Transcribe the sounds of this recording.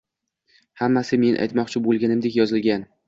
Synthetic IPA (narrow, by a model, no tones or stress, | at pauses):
hamːasɪme̞nʔa̰jt̪mɒqt͡ʃʰɪbolˠɡʲanɪmd̪e̞kʲjɒzɪlɡʲan